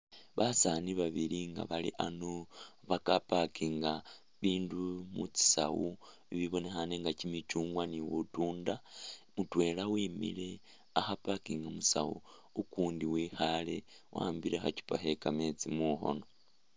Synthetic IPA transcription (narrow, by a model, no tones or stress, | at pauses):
βasaniβaβiliŋɡa̰βalḭʔanu | βakapakiŋɡa | βiːndumut͡si̥sa̰wu | iβiβo̞ne̞xaneŋɡacimit͡ʃuːŋɡwaniwutuːndamutwe̞lawimḭle̞ | axapakiŋɡamusa̰wṵ | ukuːndiwiːhale̞ | wʔa̰ːmbiɾe̞xaci̥paɦe̞kame̞t͡simuːxo̞̰no̞